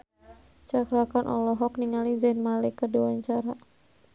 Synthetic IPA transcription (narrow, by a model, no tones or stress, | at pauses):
t͡ʃakɾakanʔɔ̰lɔɦɔk̚niŋalid͡ʒɛnmalekərdiwaɲt͡ʃaɾa